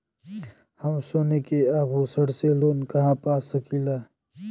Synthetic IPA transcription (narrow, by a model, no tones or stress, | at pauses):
hɐmsoːnekeaːbuːsəɽseloːnkɐɦãːpaːsəkilaː